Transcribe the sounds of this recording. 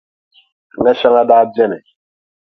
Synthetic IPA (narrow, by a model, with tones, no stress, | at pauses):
ŋɡa˦ʃa˦ŋa˦daː˦bɛ˦nɛ˨